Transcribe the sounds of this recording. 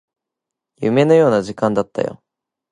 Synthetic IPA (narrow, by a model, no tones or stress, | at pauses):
jɯ̟̰me̞no̞jo̞ːnaʑikãnd̪at̪ːa̰jo̰